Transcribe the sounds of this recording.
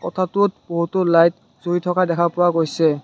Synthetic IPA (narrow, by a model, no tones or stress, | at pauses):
kɔ̰tʰatʊt̚b̥oɦutolajt | z̥oɹitʰɔkadɛkʰapʊwaɡojsɛ